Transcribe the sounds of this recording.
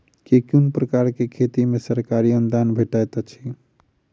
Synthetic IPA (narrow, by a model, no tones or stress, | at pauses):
kekjunpɾəkaɾkekʰet̪imesəɾkaɾiənd̪ʱanbʱeʈajt̪ɔt͡ʃʰi